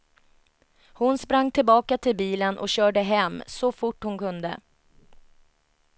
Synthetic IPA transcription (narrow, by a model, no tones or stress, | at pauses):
hʊnspɾaŋːt̪ʰɪlbɑːkat̪ʰɪlbiːlənʔɔ̰kɕœːɖəɦɛmːsɔfʊʈːhʊnkɵnd̪ə̰